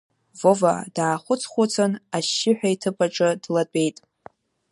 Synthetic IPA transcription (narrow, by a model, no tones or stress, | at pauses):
vova̰d̥aːχʷʊt͡sʰχʷʊt͡sʰʼɨnaʃːɪħʷᶣaitʰɨpʼaʈ͡ʂʼɨdlat͡pʷʼe̞jtʼ